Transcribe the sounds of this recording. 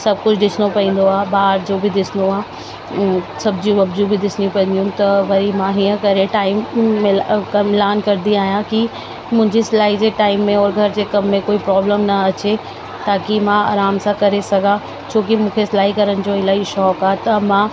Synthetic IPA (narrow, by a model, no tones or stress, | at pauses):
sɐb̚ʱkʊd͡ʑʰʱɗɪsɪnopɐ̃ĩːn̆d̪oaːbaːɦɾd͡ʑoːbɪd̪ɪsɪnd̪oãː | sɐbd͡ʑĩʋɐbd͡ʑũbɪd̪ɪsnijũpɐ̃ĩːnd̪ijũt̪ɐʋɐɾimãɦiːə̃kɐɾeʈaːɪmːɪkɐmɪlaːnkɐɾd̪iaːɦijãki | mʊ̃ɪ̃ɲd͡ʑislaːɦid͡ʑeːʈaːɪmːẽɔːɾɡʱɐɾd͡ʑeːkɐmːẽkoːipɾɔːbləmnɐɐt͡ɕe | t̪aːkimãaːɾaːmsãkɐɾesɐɡʱã | t͡ɕʰoːkimũːkʰeslaːɦikɐɾəñɪ̆d͡ʑoɪlaːɦiʃɔːkaːɦt̪ɐmãː